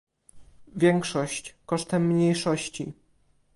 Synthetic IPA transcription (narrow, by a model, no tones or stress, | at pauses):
vʲjɛŋkʂɔɕt͡ɕkɔʂt̪ɛmːɲejʂɔɕt͡ɕḭ